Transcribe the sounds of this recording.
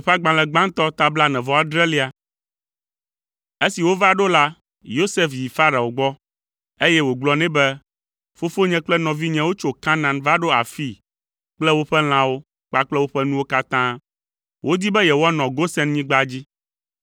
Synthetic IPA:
ɸɛ˦a˦ɡ͡bã˨lɛ̃˨ɡ͡bã˦ŋt̪ɔ˦t̪a˦bla˦nɛ̃˨vɔ˨a˦d̪ɾɛ˦li˦a˨ | e˦si˨wo˦va˦ɖo˦la˦ | jo˦se˦fji˨fa˦ɾa˨wo˨ɡ͡bɔ˦ | e˦jɛ˦wo˨ɡ͡blɔ˨˦nɛ̃˦bɛ˦ | fo˦fo˦ɲɛ̃˦k͡plɛ˦nɔ̃˨vi˦ɲɛ̃˦wo˦t͡ʃo˨ka˦nã˨nva˦ɖo˦a̰˨fi˦ | k͡plɛ˦wo˦ɸɛ˦l̃ã˨wo˦ | k͡pa˦k͡plɛ˦wo˦ɸɛ˦nũ˦wo˦ka˦t̪ã˦ | wʔo˦d̪i˦bɛ˦jɛ˨wo˦a˦nɔ̃˨ɡo˦sɛ˦nɲĩ˦ɡ͡ba˦d͡ʑi˦

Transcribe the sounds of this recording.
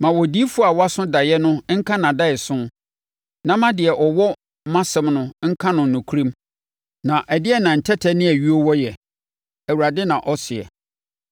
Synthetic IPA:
mã˨wɔ˨di˦fu˦˨a˨wɔ˦a˦sʊ̃˦da˨jɛ˦nʊ̃˦ŋ̩˦kʰã˦nã˨da˦ɪ˨sʊ̃˦ | nã˦mã˦dɪ˨ɛ˨ʔɔ˨wɔ˦ | mã˦sɛ̃˦mnʊ̃˦ŋ̩˦kʰã˦nʊ̃˨n̩˨nʊ̃˨kʰu˦ɾĩ˦m | nã˨ʔɛ˨dɪ˦ɛ˦˨nã˨n̩˨tʰɛ˦tʰɛ˦nɪ̃˦æ˨ɥi˦o˦wɔ˦jɛ˨ | æ˨wu˨ɾa˨dɪ˦nã˨ʔɔ˦sɪ˨ɛ̰˨

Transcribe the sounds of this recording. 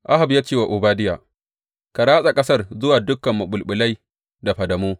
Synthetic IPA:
ʔa˦ɦa˨bjaː˦t͡ʃeː˦wa˨ʔʊ˨baː˦dɪ˦jaː˨ | ka˨ɾaː˦sʼa˨kʼɐ˦sɐ˦rzʊ˦waː˨dʊ˦kːɐ˨mːɐ˨ɓʊ˨lɓʊ˨la˦j | da˨ɸɐ˨dɐ˨moː˦

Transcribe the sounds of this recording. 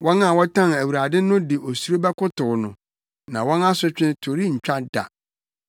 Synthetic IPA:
wʔɔ̃˦na˨wɔ˦tʰã˦næ˨wu˨ɾa˨dɪ˦nʊ̃˦dɪ˨ʔo˨su˦ɾo˦bɛ˦kʊ˦tʊ˨nʊ̃˨ | nã˨wɔ̃˦na˦sʊ˦t͡ɕᶣɪ̃˦tʰo˨ɾi˦ɲ̩˨t͡ɕᶣa˦da̰˨

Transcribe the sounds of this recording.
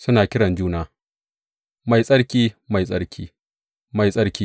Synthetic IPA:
sʊ˦naː˨kʲɪ˦ɽɐ˨nd͡ʒuː˦naː˦ | ma˨jsʼɐ˦ɽkʲiː˦ma˨jsʼɐ̰˦ɽkʲʰiː˦ | ma˨jsʼɐ˦ɽkʲiː˦

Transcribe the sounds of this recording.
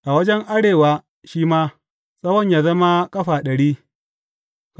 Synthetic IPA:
ʔa˨wɐ˦d͡ʒɛ˦ŋʔa˦ɽeː˨waː˨ | ʃiː˦maː˦ | sʼɐ˦wɔ˦ɲjaː˨zɐ˦ma˦kʼɐ˦ɸaː˨ɗɐ˨ɽiː˦ | k

